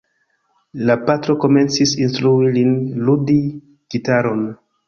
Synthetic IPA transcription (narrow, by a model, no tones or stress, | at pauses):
lapatɾo̞ko̞me̞nt͡sisinstɾuilinludi | ɡ̥itaɾo̞n